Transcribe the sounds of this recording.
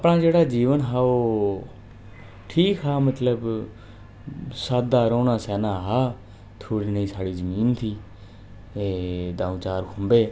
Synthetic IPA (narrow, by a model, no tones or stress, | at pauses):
əpnaːd͡ʒeːɽaːd͡ʒiːʋənɦaːoː | ʈʰiːkɦaːmət̪ləb | sat̪̚d̪aːɾõːnãːsɛːnãːɦaː | t̪ʰoːɽiːnəĩːsaːɽiːzəmiːnt̪ʰiː | eːd̪aːũːt͡ʃaːɾkʰʊ̃mbeː